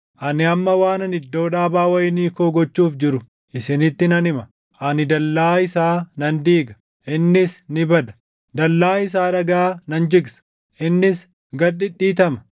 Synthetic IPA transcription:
ʔɐnɪɐmːɐwaːnɐnɪd̪ːo̞ːᶑaːbaːwɐjɪniːkoːɡɔt͡ʃːuːfd͡ʒɪɾʊ | ʔɪsɪnɪt̪ːɪnɐnɪmɐ | ʔɐnɪd̪ɐlːaːɪsaːnɐnd̪iːɡɐ̥ | ʔɪnːɪsnɪbɐd̪ɐ̥ | d̪ɐlːaːɪs̬aːɾɐɡaːnɐnd͡ʒɪɡsɐ̥ | ʔɪnːɪs | ɡɐᶑɪᶑiːt̪ɐmɐ̥

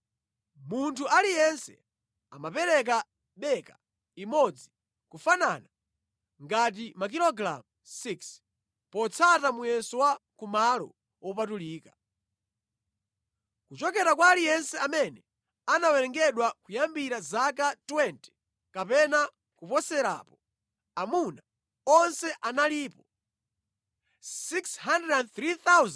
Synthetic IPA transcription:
muntʰuʔalijɛnsɛ̰ | amapɛɾɛk̬a | ɓɛka | imɔd͡zi | kufanana | ŋɡat̬imak̬ilɔɡɾa̰m | siks | pɔt͡sʰatamujɛnsɔwakumalɔ̰ | wɔpatuliːka | kut͡ʃɔkɛɾakwalijɛnsɛamɛnɛ | anawɛɾɛŋɡɛɗwakujambiɾazak̬atwɛntɛ̥ | kapɛna | kupɔsɛɾa̰ːpɔ | amuna | ɔnsɛʔanaliːpɔ | siksɦandɛdɛnθɾiθawz

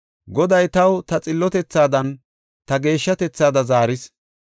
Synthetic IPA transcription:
ɡɔd̪ɐjt̪ɐwt̪ɐt͡sʼɪlːɔt̪ɛt͡sːaːd̪ɐn | t̪ɐɡe̞ːʃːɐt̪ɛt͡sːaːd̪ɐzaːɾɪs

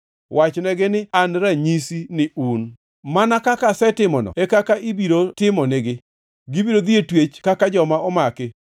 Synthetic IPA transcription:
wʔat͡ʃnɛɡɪnɪanɾaɲisinɪun | manakakasɛtɪmɔnɔ̰ekakaʔibiɾotɪmɔnɪɡɪ | ɡɪbiɾod̪ietwet͡ʃkakad͡ʒɔmaɔmakɪ

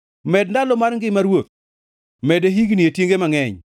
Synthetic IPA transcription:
mɛdndalɔmaɾŋɡɪmaɾwot̪̚ | mɛdeɦiɡnietjeŋɡemaŋɛɲ

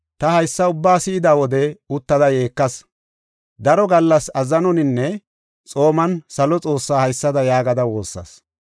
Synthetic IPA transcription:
t̪ɐhɐjsːɐʊbːaːsɪɪd̪aːwɔd̪ɛʊt̪ːɐd̪ɐje̞ːkːɐs | d̪ɐɾɔɡɐlːɐsɐzɐnɔnɪnːɛ | t͡sʼo̞ːmɐnsɐlɔt͡sʼo̞ːsːaːhɐjsːɐd̪ɐjaːɡɐd̪ɐwo̞ːsːɐ̰s

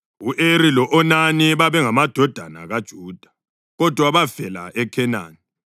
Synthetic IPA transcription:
uʔeɾilɔʔɔnaniβaβɛŋamad̥ʱɔd̥ʱana̰ɣad̥ʒ̥ʱuːd̥ʱḁ | ɣɔd̥ʱwaβav̥ɛla̰ʔɛkʰɛna̰ːni

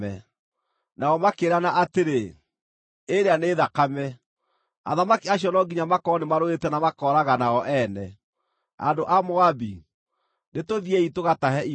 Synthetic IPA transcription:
ɛ | naɔmakeːɾanaʔateɾe | eɾeaneːðakamɛ | a̰ðamakiaɕiɔnɔɡiɲamakɔnemaɾoetɛnamakɔɾaɣanaɔʔɛnɛ | a̰ndoʔamoabi | netoðiɛitoɣataɦɛi

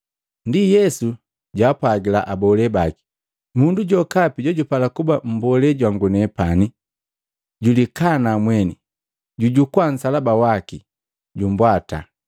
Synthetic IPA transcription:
ndijɛsu | ɟaːpwaɡila̰ʔabɔlɛbaki̥ | munduɟɔkapiɟɔɟupalakubam̩bɔlɛɟwaŋɡunɛpani | ɟulikanamwɛni | ɟuɟukwan̩salabawaki | ɟumbwata̰

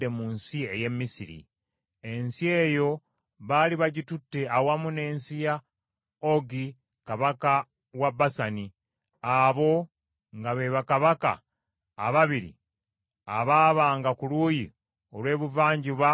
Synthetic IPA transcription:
emuːnsie̞je̞mːisiɾḭ | e̞nsie̞ːjo̞ | βaliβaɟitutːe̞awamune̞ːnsija | oɡi | kaβaka | wabasani | aβo̞ | ŋɡaβeβakaβaka̰ː | βaβiɾḭ | aβaːβaːŋɡakuluːji | o̞lwe̞ːβuvaːɲɟuβa

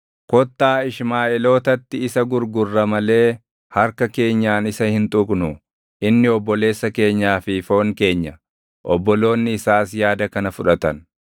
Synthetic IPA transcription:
kɔt̪ːaːɪʃmaːʔɛlo̞ːt̪ɐt̪ːɪɪsɐɡʊɾɡʊrːɐmɐle̞ː | hɐɾkɐke̞ːɲːaːnɪsɐhɪnt̪ʼʊkʼnʊ | ʔɪnːɪɔbːɔle̞ːsːɐke̞ːɲːaːfɪfo̞ːŋke̞ːɲːɐ | ʔɔbːɔlo̞ːnːɪɪsaːsjaːd̪ɐkɐnɐfʊᶑɐt̪ɐn

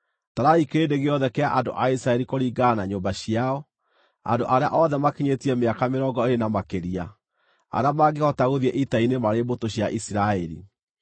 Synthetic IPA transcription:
taɾaikeedeɣeɔðɛkɛaʔando̰ʔaisɾaɛɾikoɾiːɡanaɲoːmbaɕiaɔ | a̰ndoʔaɾea̰ʔɔðɛmakeɲetiɛmeakameɾɔŋɡɔeɾenamakeɾia | a̰ɾeamaɡehɔtaɣoðiɛʔitainemaɾebotoɕjaʔisiɾaɛɾḭ

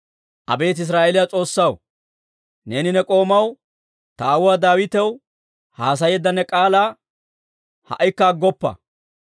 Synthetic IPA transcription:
ʔɐ̰be̞ːt̪ɪs̬ɾaːʔelɪjat͡sʼo̞ːsːɐw | ne̞ːnɪnɛkʼo̞ːmɐw | t̪ɐːwʊwaːd̪aːwɪt̪ɛw | haːs̬ɐjɛd̪ːɐnːɛkʼaːlaː | hɐ̰ʔɪkːɐːɡːɔpːɐ̰

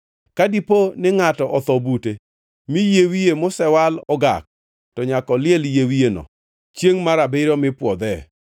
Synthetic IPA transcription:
kadiponɪŋatɔʔɔt̪ɔbute | mijewijemʊsɛwalɔɡa̰k̚ | tɔɲakɔlɪɛljewienɔ̰ | t͡ʃjeŋmaɾabɪɾɔmɪpwɔd̪ɛ

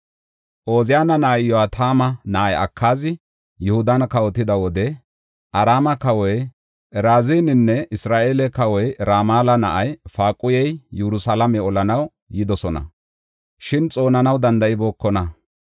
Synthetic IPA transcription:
ʔo̞ːzɪjaːnɐnɐʔɐjjɔɐt̪ʰaːmɐnɐʔɐjɐ̰kʰːaːzɪ | jɛhʊd̪ɐnkɐwɔt̪ːɪd̪ɐwɔd̪ɛ | ʔɐɾaːmɐkɐwɔj | ʔɛɾaːzinɪnːɛʔɪsɾaːʔeːlɛkɐwɔjɾaːmaːlɐnɐ̰ʔɐjfaːkʼʊjɛjjɛɾʊsalɐmɛɔlɐnɐw | jɪd̪ɔsɔnɐ̰ | ʃɪnt͡sʼo̞ːnɐnɐwd̪ɐnd̪ɐʔɪbo̞ːkːɔnɐ

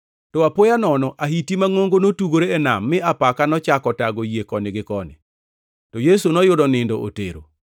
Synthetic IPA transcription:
tɔapojanɔnɔʔahitimaŋoŋɡonotuɡoɾeɛna̰mːɪapakanɔt͡ʃakɔtaɡojekɔnɪɡɪkɔnɪ̰ | tɔjesunɔjʊdɔnɪndɔʔo̰tḛɾo̰

